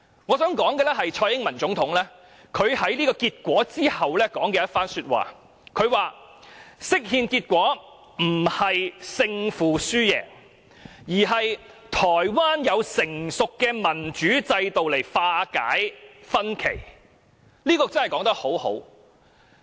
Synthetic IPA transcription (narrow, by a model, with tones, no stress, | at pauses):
ŋɔː˨˧sœː˨˥ŋkɔː˨˥ŋkɛː˧lɛ˥ɦɐ˨jt͡ʃʰɔː˧jɪ˥ŋmɐ˨˩nt͡sʊ˨˥ŋt̪ʰʊ˨˥ŋlɛː˥ | kʰɵ˨˧ɥhɐ˨˥jliː˥kɔː˧kiː˧t̚kʷɔː˨˥t͡siː˥hɐ˨wlɛː˥kɔː˨˥ŋkɛː˧jɐ˥t̚faː˥nsyː˧t̚wa̰ː˨ | kʰɵ˨˧ɥwaː˨ | sɪ˥k̚hiː˧nkiː˧t̚kʷɔː˨˥ | m̩˨˩hɐ˨jsɪ˧ŋfuː˨˩syː˥jɛ̰ː˨ | jiː˨˩ɦɐ˨j | t̪ʰɔː˨˩jwaː˥njɐ˨˧wsɪ˨˩ŋsʊ˨kːɛː˧mɐ˨˩nt͡ʃyː˨˥t͡sɐ˧jt̪o˨wle˨˩jfaː˧ka̰ː˨˥jfɐ˥nkʰḛ˨˩j | liː˥kɔː˧t͡snhɐ˨jkɔː˨˥ŋt̪ɐ˥k̚ho˨˥who̰˨˥w